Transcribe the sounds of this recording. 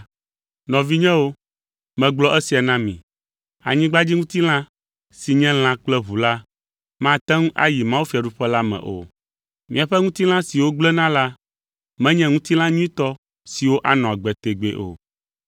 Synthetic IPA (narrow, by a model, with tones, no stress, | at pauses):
nɔ̃˨vi˦ɲɛ̃˦wo˦ | mɛ̃˨ɡ͡blɔ˦ʔɛ˦si˨a˨nã˦mḭ̃˨ | a̰˨ɲĩ˦ɡ͡ba˦d͡ʑi˦ŋũ˦t̪i˦l̃ã˦ | si˨ɲɛ̃˦l̃ã˦k͡plɛ˦βu˨la˦ | mã˦t̪ɛ̃˦ŋũ˦ʔa̰˦ji˨mã˦wu˦fi˨a˨ɖu˦ɸɛ˦la˦mɛ̰̃˨ʔo̰˨ | mĩ˨a˨ɸɛ˦ŋũ˦t̪i˦l̃ã˦si˨wo˦ɡ͡blɛ˦nã˦la˦ | mɛ̃˦ɲɛ̃˦ŋũ˦t̪i˦l̃ã˦ɲũ˦ĩ˦t̪ɔ˦ | si˨wo˦ʔa˦nɔ̃˨a˨ɡ͡bɛ˨t̪e˨ɡ͡be˦ʔo̰˨